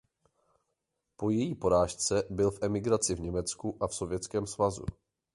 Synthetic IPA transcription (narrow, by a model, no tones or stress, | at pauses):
po̞jɛjiːpo̞ɾaːʃt͡sɛbɪlfʔɛmɪɡɾat͡sɪvɲɛmɛt͡skuʔafso̞vjɛt͡skɛːmsvazṵ